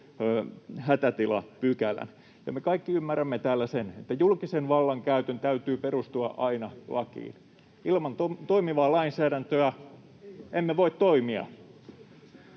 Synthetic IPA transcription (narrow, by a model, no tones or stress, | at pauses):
hæt̪æt̪ilɑ̰pykælæ̰n | jɑ̰mekɑikːiymːæræmːet̪æːlːæsenet̪ːæjulkisenʋɑlːɑŋkæyt̪ønt̪æyt̪yːperust̪uɑʔɑinɑlɑkḭːn | ilmɑnt̪ot̪oimiʋɑːlɑinsæːɾænt̪øæ | emːeʋoit̪t̪oimiɑ̰